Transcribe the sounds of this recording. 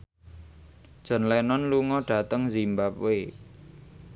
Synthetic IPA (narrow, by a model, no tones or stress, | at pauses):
d̥ʒ̥ɔ̤nlɛnɔnluŋɔɖ̥a̤t̪əŋzimbap̚we